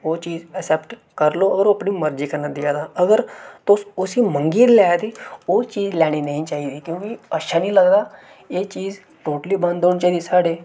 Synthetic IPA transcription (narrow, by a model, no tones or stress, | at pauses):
oːt͡ʃiːd͡zəsɛpʈkəɾloəɡəɾoɐpɳiːməɾd͡ʒiːkəɾnəd̪ɪjad̪aəɡəɾt̪osʊsiːmə̃ŋɡiːɾlajat̪iːot͡ʃiːd͡ʒlaːɽ̃inəɦĩːt͡ʃaːɦiːd̪iːkjũːkiəʃʰanĩːləɡd̪aː | jet͡ʃiːz | ʈoːʈəliːbə̃nd̪ʱoɳt͡ʃaːiːd̪isaːɽeː